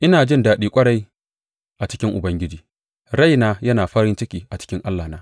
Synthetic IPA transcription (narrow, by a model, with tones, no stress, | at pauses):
ʔɪ˦naː˨d͡ʒɪ˦ndaː˨ɗiː˦kʷʼɐ˦ɽa˦j | ʔa˨t͡ʃɪ̥˦kʲɪ˦ŋʔʊ˨bɐ˦ŋɡʲɪ˦d͡ʒiː˨ | ɽa˦˨jnaː˦jɐ˦naː˨ɸɐ˦ɾɪ˦nt͡ʃɪ˦kʲiː˨ʔa˨t͡ʃɪ̥˦kʲɪ˦ŋʔa˦lːaː˨naː˦